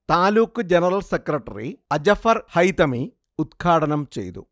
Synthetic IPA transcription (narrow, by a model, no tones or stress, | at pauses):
t̪aːluːkːɨd͡ʑenɐrɐlsekrɐʈːɐ̰rḭɐd͡ʑɐfɐrhɐjt̪ɐmi | ud̪kʰaːɽɐnɐmt͡ɕe̞̰jt̪ṵ